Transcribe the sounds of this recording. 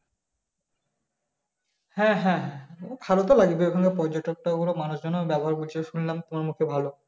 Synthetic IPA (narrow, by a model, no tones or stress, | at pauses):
hɛ̃ɦɛ̃bʱalot̪olaɡbeekʰaŋɡepɔɾd͡ʑoʈok̚ʈaɡuɾomanuʃd͡ʑɔnːobɛboɦaɾbult͡ɕʰeʃunlamt̪omaɾmukʰebʱalo